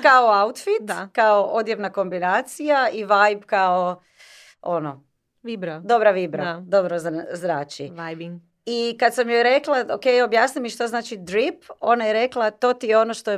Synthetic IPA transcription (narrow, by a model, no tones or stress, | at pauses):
kaoaut̪fit̪kaoʔo̞d̪jaʋnako̞mbinaːt̪sijaiʋajbkao | ono | ibɾad̪o̞bɾaʋibɾad̪obɾozzɾaːt͡ʃiajbŋ | ikad̪samjojɾe̞klˠaokejo̞bjaːsnimiʃt̪oznaːt͡ʃid̪ɾipo̞najeɾe̞klˠat̪o̞ːt̪ijeo̞noʃt̪o